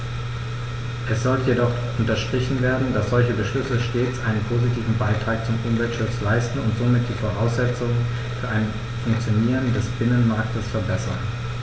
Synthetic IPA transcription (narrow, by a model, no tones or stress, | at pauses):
ʔɛsz̥ɔltəjedɔχ | ʔʊntɐʃtʁ̥ɪçn̩veːɐdn̩dasz̥ɔlçəbəʃlʏsəʃteːt͡sʔaɪnənpʰoːzitʰiːvn̩baɪtʁ̥aːk̚t͡sʊmʔʊmvɛltʃʊt͡slaɪstn̩ʊntz̥oːmɪt̚d̥iːfoʁaʊsz̥ɛt͡sʊŋ | fyːɐʔaɪn | fʊŋk̚t͡sjoniːʁ̞əndɛsb̥ɪnənmaɐktəsfɛɐbɛsɐn